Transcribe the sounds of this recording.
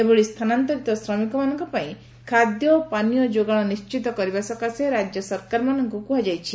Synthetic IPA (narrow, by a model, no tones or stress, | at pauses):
ebɔɭist̪ʰanant̪ɔɾit̪ɔsɾɔmikɔmanɔŋkɔpaĩ | kʰad̪jɔpanijɔd͡ʒoɡaɭ̃ɔnist͡ʃit̪ɔkɔɾibasɔkaseɾad͡ʒjɔsɔɾkaɾmanɔŋkɔkuɦad͡ʒajt͡ʃʰi